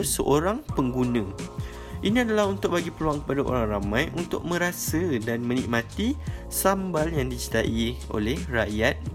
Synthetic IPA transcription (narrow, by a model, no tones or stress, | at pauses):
səʔoɾaŋpəŋɡunə̃ | ʔinĩadalaɦunt̪ʊk̚baɡipəluaŋkəpadaʔo̰ɾaŋramãjʔunt̪ʊ̰k̚mə̃ɾasədanmə̃nik̚mãt̪i | sambaljaŋdit͡ʃit̪aʔio̰lɛhrajat̪̚